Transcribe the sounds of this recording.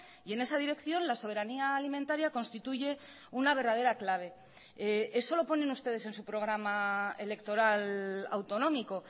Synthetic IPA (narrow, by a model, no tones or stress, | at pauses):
ie̞ne̞saðiɾe̞kθjo̞nlaso̞β̞eɾaniaːlimẽnt̪aɾjako̞nst̪it̪uʝe̞ | unaβ̞e̞ɾðað̞e̞ɾaklaβ̞e̞ | ee̞so̞lo̞po̞nẽ̞nust̪e̞ð̞e̞se̞nsupɾo̞ɣ̞ɾamaele̞kt̪o̞ɾala̰wt̪o̞nõ̞miko̞